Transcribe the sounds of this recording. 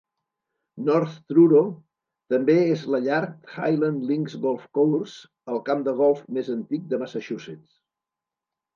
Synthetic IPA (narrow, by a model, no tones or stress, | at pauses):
nɔɾθt̪ɾuɾo | t̪əmbeezləʎaɾk̚t̪xa̰jlənliŋɡzɣɔlˠfkowrz | əlˠkamd̪əɣ̞ɔlˠfmezənt̪ik̚d̪əməsəʃusit͡s